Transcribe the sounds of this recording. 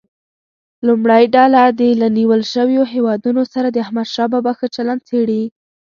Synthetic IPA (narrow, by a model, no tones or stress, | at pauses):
lumɽajɖɑlad̪əlaniwəlʃəwjoɦewɑd̪unosaɾad̪əahmad̪ʃɑbɑbaxat͡ʃaland̪̚t͡seɽi